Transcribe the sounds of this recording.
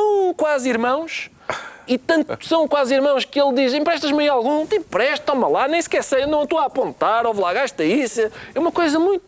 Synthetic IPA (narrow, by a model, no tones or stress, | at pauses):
sɐ̃w̃kwaziɾmɐ̃w̃ʃ | it̪ɐ̃nt̪sɐ̃w̃kwaziɾmɐ̃w̃ʃkɨelˠd̪izẽpɾɛʃt̪ɐʒmɐ̃j̃alˠɣũt̪ippɾɛʃt̪̚t̪ɔmɐlˠanẽj̃skɛsɐjewnɐ̃w̃t̪oapõnt̪aɾovlˠaɣaʃt̪ɐisɛɛumɐkojzɐmũj̃t̪